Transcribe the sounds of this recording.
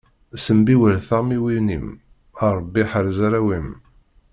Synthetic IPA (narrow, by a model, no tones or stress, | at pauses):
səmbiwəɾθæmiwinḭm | ɑɾˤəbːiħəɾzaɾæwim